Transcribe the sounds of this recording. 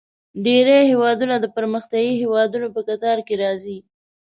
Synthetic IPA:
ɖeɾehewɑd̪unad̪əpəɾməxt̪jɑɡiɦewɑd̪unopəkat̪ɑɾkeɾɑzi

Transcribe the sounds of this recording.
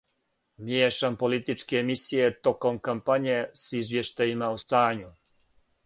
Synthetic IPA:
mjeːʃampolit̪it͡ʃkeːmisijet̪o̞ko̞mkampaɲesizʋjeʃt̪ajimaust̪aːɲu

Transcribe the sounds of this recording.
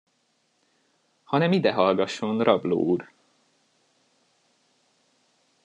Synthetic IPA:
hɒnɛmid̪ɛɦɒlɡɒʃo̞nrɒblo̰ːur

